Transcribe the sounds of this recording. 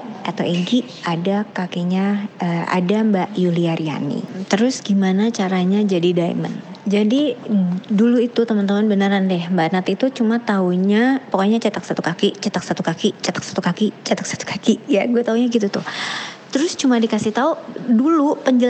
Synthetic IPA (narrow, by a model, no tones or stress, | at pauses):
at̪aweɡi | adakakiɲaəa̰dambaʔjuliaɾia̰nḭt̪əɾʊsɡimanat͡ʃaɾaɲad͡ʒadidaḭmə̰nd͡ʒadi | duluit̪ut̪əmant̪amanbənəɾandɛhbat̪nat̪it̪ut͡ʃumat̪auɲapəkoɲat͡ʃət̪ak̚sat̪ukakit͡ʃət̪ak̚sat̪ukakit͡ʃət̪ḁksḁt̪ukakit͡ʃət̪ək̚sḁt̪u̥kakijaɡuat̪auɲaɡit̪ut̪ʊht̪əɾʊst͡ʃumadikasɪht̪audulupəɲd͡ʒəl